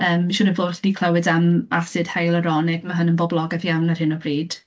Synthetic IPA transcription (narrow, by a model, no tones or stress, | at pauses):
əːmʃʊnənvoːddikʰlˠəwɪdamasɨd̥hajlˠəɾɔnɪɡmaɦənənbɔblˠɔɡavjawnarhɪnɔbriːd̥